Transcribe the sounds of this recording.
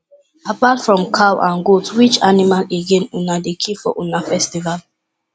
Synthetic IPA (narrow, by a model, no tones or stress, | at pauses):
apatfɹɔ̃mkʰawʔã̰nɡotwit͡ʃanimaleɡẽnunadekʰifɔ̰ʔunafɛstival